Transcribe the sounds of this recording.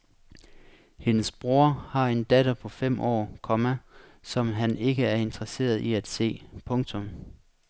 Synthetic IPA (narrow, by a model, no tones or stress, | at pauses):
he̝nəsb̥ʁo̝ɐ̰hɑ̈e̝nd̥ædəpʰɒ̽fem̰ʔɒ̰ːkʰɒ̽mæsɒ̽mɦæne̝ɡ̥əæɐe̝nd̥ʁɐse̝̰ːɐðˠiæd̥se̝̰ːpʰɔ̽ŋt͡sʰɔ̽m